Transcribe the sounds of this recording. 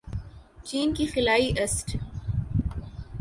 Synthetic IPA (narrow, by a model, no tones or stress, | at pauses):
t͡ʃiːnkixɪlaːiʔɐsʈ